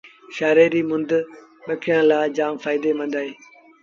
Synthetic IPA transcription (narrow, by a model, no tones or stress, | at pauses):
ʃaːɾeːɾiːmʊ̃nd̪ɓɐkʰɪjãːlaːd͡ʑaːmfaːɪd̪emɐ̃nd̪aːɦeː